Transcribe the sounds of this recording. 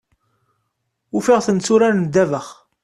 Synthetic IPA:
ufiʁθənt͡sːuɾænnd̪ævəχ

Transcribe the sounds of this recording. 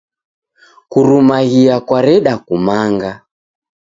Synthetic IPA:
kuɾumaɣiakwaɾɛɗakumaŋɡa

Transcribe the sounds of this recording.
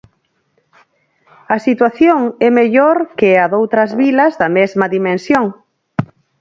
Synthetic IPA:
ɐsit̪waθjoŋɛmeʎoɾkɪaðowt̪ɾɐzβilɐzðɐmɛzmɐðimẽnsjoŋ

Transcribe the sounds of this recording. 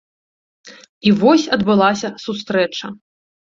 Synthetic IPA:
ivɔsʲɐd̪bɨlˠasʲɐsus̬t̪ɾɛt͡ʂɐ

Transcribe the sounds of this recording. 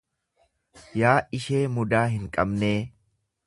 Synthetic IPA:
jaːʔɪʃe̞ːmʊd̪aːɦɪŋkʼɐbneː

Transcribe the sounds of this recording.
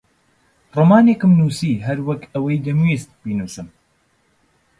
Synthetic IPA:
rˤɐmɑːneːkɨmnuːsiːɦɐɾwɐkɐwɐjd̪ɐmwist̪̚b̥inuːsɨm

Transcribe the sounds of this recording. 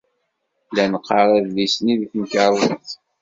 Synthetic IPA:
lænəqːɑɾˤæðlisniðknəkəɾˤəθ

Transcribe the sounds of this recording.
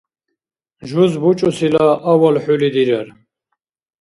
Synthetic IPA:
ʒuzbut͡ʃʼusilaʔːwalħulid̪iɾɛɾ

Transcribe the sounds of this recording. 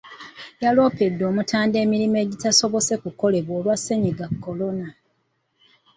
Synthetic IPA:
jalo̞ːpe̞dːo̞ːmutaːnde̞ːmiɾime̞ːɟitaso̞βo̞se̞kuko̞le̞βwoːlwase̞ɲiɡakːo̞lo̞na

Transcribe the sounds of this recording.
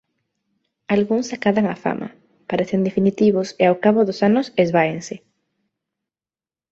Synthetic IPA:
alɣuŋsakaðaŋafa̰mʔa̰ | paɾeθend̪efinit̪iβ̞ʊseawkaβoðosanʊsezβaeŋse

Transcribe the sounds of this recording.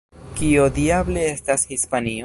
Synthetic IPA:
kiodiable̞estashispani

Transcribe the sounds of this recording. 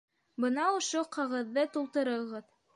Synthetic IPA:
bɤnɑŏʃoqʰɤ̆ʁɤ̆ðːɤt̪ulˠt̪ɤ̆ɾɤ̆ʁɤð

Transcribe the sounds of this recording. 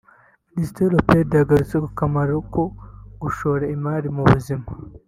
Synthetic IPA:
nistelopedjaɡaɾut͡sekokamaɾokoɡuʃoːɾaimaːɾimuβuzima

